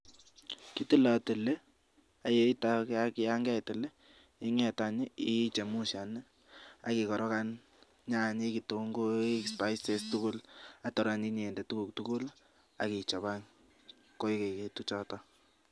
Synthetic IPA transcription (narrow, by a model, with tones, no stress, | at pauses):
ki˦tɪ˦la˨tɪ˨le˦ | a˨je˦i˦ta˦ka˦ki˦ja˦ŋɡɛ˦˨tɪ˨le˦ | ɪ˦ŋɛ˨taɲɪ˦i˦t͡ʃe˨mu˦ʃa˨n | a̰˨ki˨kɔ˨ɾɔ˦ka˦n | ɲa˦˨ɲe˦ki˨to˨ŋɡo˦e˦kspa˦jse˦stu˦kʊ˦latɔ˨ɾa˨ni˦ne˨ndɛ˨tu˦ku˨k̚tuku˦l | a̰˨ki˨t͡ʃɔ˨βa˦ŋ | ko˦i˦ke˨ke˨tu˦t͡ʃɔtɔ˦